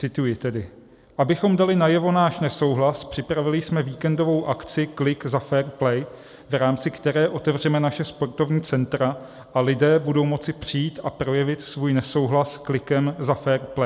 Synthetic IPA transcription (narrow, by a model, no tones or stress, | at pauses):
t͡sɪt̪ujɪt̪ɛdɪ | ʔabɪxo̞mdalɪnajɛvo̞naːʃnɛso̞wɦlaspr̥ɪpɾavɪlɪjsmɛviːkɛndo̞vo̞wʔakt͡sɪklɪkzafɛːɾplɛj | vɾaːmt͡sɪkt̪ɛɾɛːʔo̞t̪ɛvr̝ɛmɛnaʃɛspo̞rt̪o̞vɲiːt͡sɛnt̪ɾa | ʔalɪdɛːbudo̞wmo̞t͡sɪpr̝̥ɪjiːt̪ʔapɾo̞jɛvɪt̪svuːjnɛso̞wɦlasklɪkɛmzafɛːɾplɛ